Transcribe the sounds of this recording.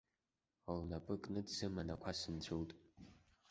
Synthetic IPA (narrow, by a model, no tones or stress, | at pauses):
alnapʼɨkʼnɨtzɨmanakʷʰasɨntʰowtʼ